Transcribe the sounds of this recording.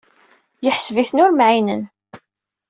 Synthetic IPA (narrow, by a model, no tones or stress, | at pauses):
jəħsviθnʊɾmʕinən